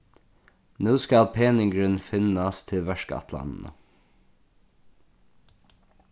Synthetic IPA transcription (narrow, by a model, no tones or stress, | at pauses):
nuːskɑlpʰeːnɪŋɡɹənfɪnɑst̪ʰɪlʋæʃkə̰ɑ̰t̪ʰlɑ̰nn̩ə̰